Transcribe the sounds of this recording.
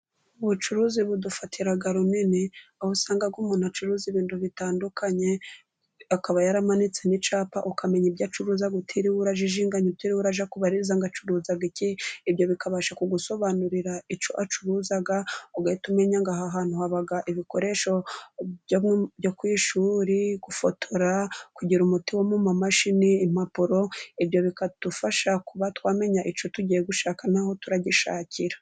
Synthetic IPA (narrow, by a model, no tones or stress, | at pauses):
uβut͡ʃuɾuːziβudufatʰiɾaɡaɾuneneohusaːŋɡab̚ɡumuːn̥uat͡ʃuɾuːziβiːnduβitaːndukʰaɲe̞ | akaβajaɾamanit͡senit͡ʃaːpa̰ʔukameɲibɟat͡ʃuɾuːzaɡutʰiɾiwuɾaʒiʒiːŋɡaɲutiɾiwuɾaʒakuβaɾiɾzaŋɡat͡ʃuɾuːzaɡiciːbjo̞βikʰaβaːʃakuɡuso̞βanuɾiɾait͡ʃoʔat͡ʃuɾuːzaɡaoɡahitume̞ɲaŋɡaɦaɦaːn̥huhaβaɡaʔiβiko̞ɾe̞ʃo̞ɟomŋebjokwiːʃuɾiɡufotʰoɾakuɟiɾumutiwomumamaʃiniːm̥apuɾo̞iβjo̞βikatufaʃakuβatwaːme̞ɲaʔit͡ʃotuɟijeɡuʃaːkanaho̞tuɾaɟiʃa̰ːcʰiɾḁ